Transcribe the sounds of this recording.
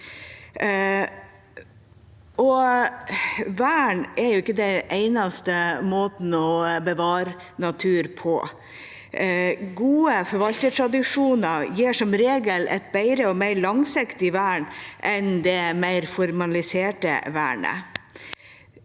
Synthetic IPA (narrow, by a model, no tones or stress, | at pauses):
ʔɔ | ʋæːɳɛɾjʊɪkːəd̪ɛneɪnɑst̪əmoːt̪n̩ɔbəʋɑːɾ | nɑt̪ʰʉːɾpʰɔ̰ | ɡuːəfɔɾʋɑlt̪əʈʰɾɑd̪ɪʂuːnɑjiːʂɔmɾeːɡəlʔɛ̰t̪̚bæɪɾəɔmæɪɭɑŋsɪkt̪ɪʋæːɳʔɛnd̪ɛmæɪɾfɔɾmɑlɪseːʈə̰ʋæ̰ːɳə̰